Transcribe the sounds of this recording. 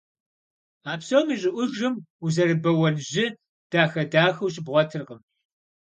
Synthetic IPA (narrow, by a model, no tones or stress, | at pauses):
aːpsowmiɕʼɪʔʷʊʒɨmuzɐrɨbɐwɐnʑɪ | d̥aːxɐdaːxɐwɕ̬ʼɪbʁʷɔtʰɨrʁəm